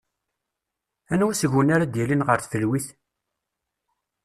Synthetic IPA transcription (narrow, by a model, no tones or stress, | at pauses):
ænwæsəʝənaɾad̪jilinʁəɾθθəlwiθ